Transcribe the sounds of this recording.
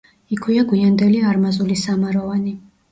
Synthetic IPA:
ikʰwiaɡwiand̪ɛliaɾmazulisamaɾɔvani

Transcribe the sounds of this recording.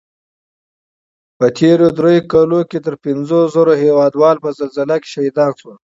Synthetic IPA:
pət̪ʰeɾod̪ɾejokɑloket̪əɾpɪnzozaɾoɦewɑːd̪wɑːlpəzalzalake̥ʃaid̪ɑːnswə

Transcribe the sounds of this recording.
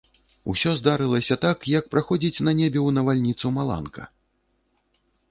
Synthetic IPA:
ṵsʲɔzd̪aɾɨlˠɐsʲɐt̪akjɐk̚pɾaxɔd͡zʲit͡sʲnɐnʲebʲɛwnɐvalʲnʲit̪sumalˠa̰nkʰɐ̰

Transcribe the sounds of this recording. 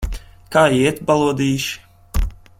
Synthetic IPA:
kaːiɛt̪balˠuɔd̪iːʃ

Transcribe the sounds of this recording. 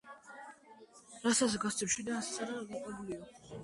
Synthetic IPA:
ɾasat̪sɡast̪sʰʼɛpʃid̪anssaɾaɡak̪ʼɛbuliɔ

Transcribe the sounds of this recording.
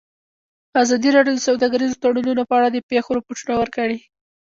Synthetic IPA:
azɑd̪iɾɑɖjod̪əsawd̪ɑɡaɾizot̪aɽununopəaɽad̪əpexoɾapoʈunawəɾkəɽi

